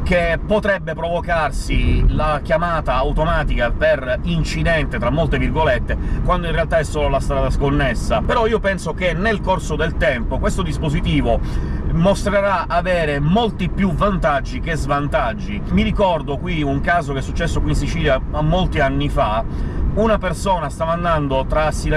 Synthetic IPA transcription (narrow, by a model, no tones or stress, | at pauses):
kepːot̪ɾɛbːepɾovokarsilakjamaːt̪aːwt̪omaːt̪ikaperint͡ʃid̪ɛnt̪et̪ɾamːolt̪evirɡolet̪ːekwand̪oinrealt̪aɛsːoːlolast̪ɾaːd̪askonːesːapeɾɔiːopɛnsok̟enːelkorsod̪elt̪ɛmpokwest̪od̪ispozit̪iːvomost̪ɾeɾaaveːɾemolt̪ipːjuvant̪ad͡ʒːik̟ezvant̪ad͡ʒːimiɾikɔrd̪okwiuŋkaːzokɛsːut͡ʃːɛsːokwinsit͡ʃiːljaamːolt̪ianːifaunapersoːnast̪amand̪and̪ot̪ɾasːile